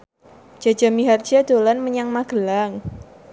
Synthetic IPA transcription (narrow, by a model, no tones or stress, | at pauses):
ʒ̥a̤̥d͡ʒ̥a̤miɦard͡ʒad̪̥o̤lanməɲaŋmaɡ̥ə̤laŋ